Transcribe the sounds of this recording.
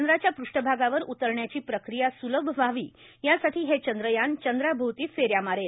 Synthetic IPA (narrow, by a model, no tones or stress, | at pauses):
ənd̪ɾat͡ɕjapɾuʂʈəbʱaɡaʋəɾut̪əɾɳjat͡ɕiːpɾəkɾijasuləbʱəʋaʋḭː | jasaʈʰiːɦet͡ɕənd̪ɾəjant͡ɕənd̪ɾabʱuwt̪iːfeɾjamaɾel